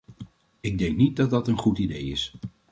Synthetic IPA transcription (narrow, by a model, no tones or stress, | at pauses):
ɪɡ̚dɛŋknit̚dɑt̚dɑtənχutidejɪs